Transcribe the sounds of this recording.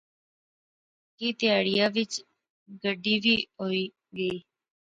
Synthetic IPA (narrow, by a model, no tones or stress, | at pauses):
kiːt̪ɪjaːɽɪjãːʋɪt͡ʃ | ɡəɖiːʋiːɦoːiː | ɡəiː